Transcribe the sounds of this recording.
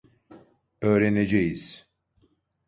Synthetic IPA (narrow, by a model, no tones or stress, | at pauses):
øːɾened͡ʒejiz̥